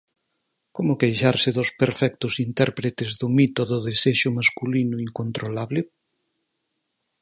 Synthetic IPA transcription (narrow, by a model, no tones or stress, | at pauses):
komʊkejʃaɾsɪðospeɾfɛk̚t̪ʊsint̪ɛɾpɾet̪ezðumit̪oðoðeseʃʊmaskulinʊiŋkont̪ɾolaβlɪ